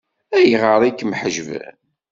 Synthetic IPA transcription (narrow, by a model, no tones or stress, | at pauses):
æjʁəɾˤikːəmħəʒvæ̰